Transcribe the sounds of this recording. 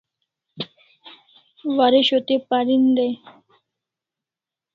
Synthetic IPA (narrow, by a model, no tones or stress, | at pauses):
ʋaɾeʃot̪epaɾind̪ɛ